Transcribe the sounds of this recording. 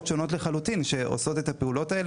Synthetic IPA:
tʃo̞no̞tleχalut̪inʃe̞ʔo̰so̞t̪et̪apeulo̞tae̞l

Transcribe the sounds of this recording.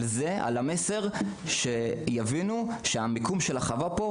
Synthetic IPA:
lzea̰lame̞se̞ʁ | ʃe̞javinu | ʃeamikumʃelaχavapo

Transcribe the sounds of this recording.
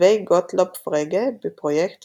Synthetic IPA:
eɪɡɔt̪ʰlɔpfʁeːɡəbipʰʁʊjɛkt̪

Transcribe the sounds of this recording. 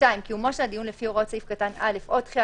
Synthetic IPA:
aimkiumoʃeadijunlefioʁott͡saifkatanale̞fʔot̪χia

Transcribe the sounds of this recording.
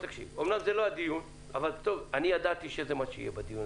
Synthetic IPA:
t̪akʃḭvomnamzeload̪ijun | avalt̪ovanijad̪at̪iʃeezemaʃeḭjebad̪ijun

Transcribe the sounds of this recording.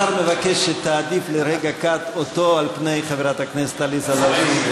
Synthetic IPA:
aʁmevakeʃːet̪aːd̪ifleɾeɡakat̪ot̪o̞alpne̞jχaveʁat̪hakneset̪alisalavi

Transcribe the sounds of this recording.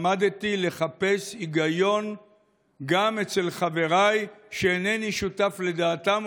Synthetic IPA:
mad̪t̪ile̞χape̞siɡajo̞n | ɡamet͡se̞lχave̞ʁajʃeːneniʃutafle̞d̪aːt̪am

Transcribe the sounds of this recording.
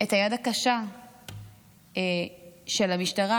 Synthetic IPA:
ethajadakaʃa | ʃe̞lamiʃtaʁa

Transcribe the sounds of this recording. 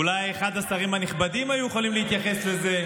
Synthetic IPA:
ulajeχad̪asaʁimhaniχbad̪imajujeχolimlehit̪jaχe̞sle̞ze̞

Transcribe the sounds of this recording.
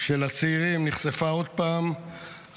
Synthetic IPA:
ʃelat͡seiʁimniχsefao̞d̪̚paːm

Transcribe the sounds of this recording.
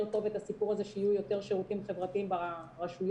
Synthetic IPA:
ʁt̪o̞ve̞t̪asipuʁazeʃeijujo̞t̪e̞ʁʃeʁut̪imχevʁat̪iimbaʁaʃuj

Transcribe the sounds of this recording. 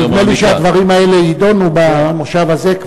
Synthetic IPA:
iɡneliʃead̪vaʁimae̞leid̪o̞nubamoχʃavaze̞k

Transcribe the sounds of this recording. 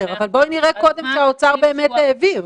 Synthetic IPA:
eʁavalbo̞niʁeko̞d̪e̞mʃeaot͡saʁbe̞ːmeteːviʁ

